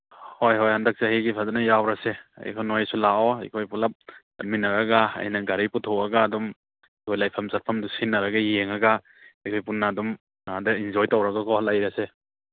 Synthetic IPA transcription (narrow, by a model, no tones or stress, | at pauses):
hojɦojhandak̚sahiɡipʰazanajawɾasea̰jkʰɔnojsulaɔikʰojpulap̚ | a̰t̚minːaɾaɡaa̰jnaɡaɾiputʰɔwaɡaːdɔm | ikʰojlajpʰamsat̚pʰamdusinːaɾaɡajeŋaɡa | ikʰojpunːadum | adaind͡ʒɔjtawɾaɡakʰɔhalajɾase